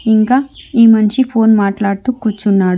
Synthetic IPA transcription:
iŋkaːiːmɐnʂipʰoːnmaːʈlaːɽt̪uːkːuːt͡ʃːunːaːɽu

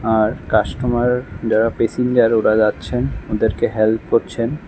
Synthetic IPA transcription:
aɾkaʃʈomaɾd͡ʑaɾapesiɲd͡ʑaɾoɾad͡ʑatːɕʰenod̪eɾkeɦelp̚koɾt͡ɕʰen

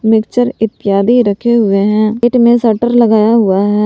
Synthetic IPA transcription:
mɪkt͡ʃəɾɪt̪ːɪjaːd̪iɾəkʰeɦʊeɦɛ̃ːʈmẽsəɾʈəɾləɡaːjaɦʊaɦɛː

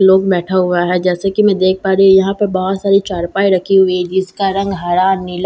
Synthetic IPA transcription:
loːɡ̚bɛːʈʰaɦʊaɦɛd͡ʒɛːsekimɛ̃d̪eːk̚ʰpaːɾiijɐɦãpɐɾbɔɦʊt̪saːɾit͡ʃaːɾpaːiɾɐkʰiɦʊid͡ʒɪskaɾɐ̃ŋɡɦaɾaːnːɪl

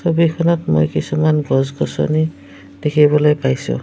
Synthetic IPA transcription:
sɔbikʰɔnɔtmo̰jkisumanɡɔzɡɔsɔ̰ni | d̥ekʰibɔlɔjpajsṵ̃

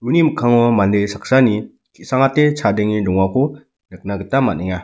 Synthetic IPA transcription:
ɾuniməkʰaŋɔmandesak̚sani | kisaŋatet͡ʃʰadeŋilɔŋwakʰɔ | nɯk̚naɡitamaniŋa

